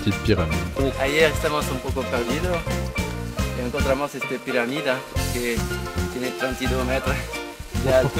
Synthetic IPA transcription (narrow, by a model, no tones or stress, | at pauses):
t̪it̪̚piʁamiaiest̪amosũmpokopɛɾd̪iðo | eẽŋkõnt̪ɾamosest̪epiɾamiðaket̪jenet̪ɾẽnt̪id̪omɛt̪ɾasda